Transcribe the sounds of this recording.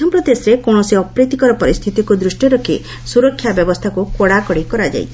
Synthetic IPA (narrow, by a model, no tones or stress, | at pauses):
t̪ʰɔmpɾɔd̪esɾekoɳ̃ɔsiɔpɾet̪ikɔɾɔpɔɾist̪ʰit̪ikud̪ɾusʈjɔɾɔkʰi | suɾɔkʰːjabjɔbɔst̪ʰakukoɽakɔɽikɔɾad͡ʒa̰jt͡ʃʰi